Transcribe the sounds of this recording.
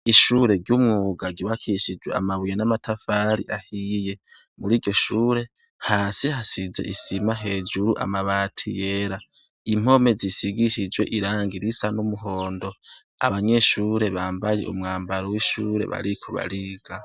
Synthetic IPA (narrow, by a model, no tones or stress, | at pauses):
iʃuɾe̞ɾɟumŋuːɡaɟiβakʰiʃid͡ʒwḛa̰maβujenamatʰafaɾḭʔahije̞ | muɾiːɾɟo̞ʃuːɾe̞ | haːsihasize̞̰ʔisimaɦe̞ːd͡ʒuɾuʔa̰maβatʰḭjeɾa | im̥o̞me̞zisiɡiʃid͡ʒwe̞ʔiɾaːŋɡiɾisanumuɦo̞ːndo̞ | a̰βaɲe̞ʃuːɾe̞βaːmbaje̞̰ʔṵmŋaːmbaɾowiʃuːɾe̞̰βa̰ɾikʰoβa̰ɾiɡ̥a